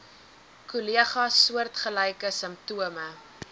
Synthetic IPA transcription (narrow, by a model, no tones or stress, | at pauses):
kuliəχɐsːuərtχəlɛjkəsəmp̚tuəmə